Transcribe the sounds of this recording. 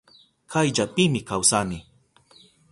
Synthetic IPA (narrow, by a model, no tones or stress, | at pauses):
kʰajʎapɪmɪkawsanɪ